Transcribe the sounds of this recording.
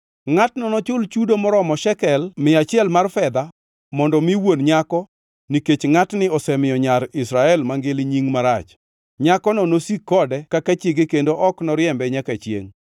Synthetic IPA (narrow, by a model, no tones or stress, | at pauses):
ŋatnɔnɔt͡ʃʊlt͡ʃudomɔɾɔmɔʃɛkɛlmɪat͡ʃɪɛlmarfɛd̪a | mɔndɔmiwonɲakɔ | niket͡ʃŋatnɪɔsɛmɪjɔɲaɾɪsɾaɛlmaŋɡɪlɪɲiŋmaɾat͡ʃ | ɲakɔnɔnosikːɔdɛkakat͡ʃɪɡekendoʔɔknɔɾjɛmbɛɲakat͡ʃjḛŋ